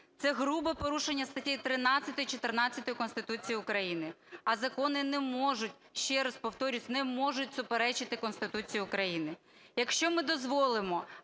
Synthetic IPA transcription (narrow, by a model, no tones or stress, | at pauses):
t̪sɛɦɾubɐpɔɾuʃenʲːɐst̪ɐtʲijt̪ɾɪnɑt͡sʲːɐt̪ɔjit͡ʃɔt̪ɪrnɑt͡sʲːɐt̪ɔjʊkɔnst̪ɪt̪ut͡sʲijiʊkɾɐjinɪɐzɐkɔnɪnɛmɔʒʊtʲʃt͡ʃɛɾɐspɔwt̪ɔɾʲusʲnɛmɔʒʊtʲsʊpeɾɛt͡ʃɪt̪ɪkɔnst̪ɪt̪ut͡sʲijʊkɾɐjinɪ | jɐkʃt͡ʃɔmɪd̪ɔzʋɔlˠɪmɔ